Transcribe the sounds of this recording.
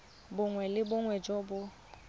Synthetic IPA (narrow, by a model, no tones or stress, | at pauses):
bʊŋwɛlɪbʊŋwɛd͡ʒɔbʊ